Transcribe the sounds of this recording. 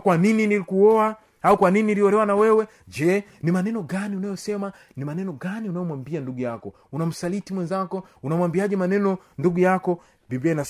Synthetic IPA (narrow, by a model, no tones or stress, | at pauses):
kwanininilikuɔa | aukwanininiliɔɾɛwanawɛwɛ | d͡ʒɛ | nimanɛnɔɡaniunajɔsɛma | nimanɛnɔɡaniunajɔmwambianduɡujakɔ | unam̩salitimwɛnzakɔunamwambiaʄɛmanɛnɔnduɡujakɔ | mbivɛna